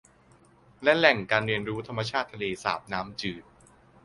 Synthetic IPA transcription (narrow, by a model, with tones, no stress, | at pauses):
lɛ˦˥lɛ˨˩ŋkaː˧nɾi˧ənɾuː˦˥t̪ʰa˧mːa˧t͡ɕʰaː˥˩t̪ʰːa˧leː˧sa̰ː˨˩p̚naː˦˥mt͡ɕɯː˨˩n̚